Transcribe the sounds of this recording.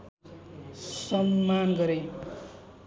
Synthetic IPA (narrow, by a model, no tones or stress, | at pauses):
sʌmːanɡʌɾej